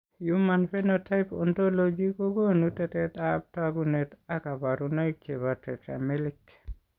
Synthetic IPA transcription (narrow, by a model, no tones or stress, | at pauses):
jumanfɛnotajpɔntɔlod͡ʒikɔɡɔnutɛtɛtap̚taɡunɛtakabaɾunajkːɛβatɛta̰melikː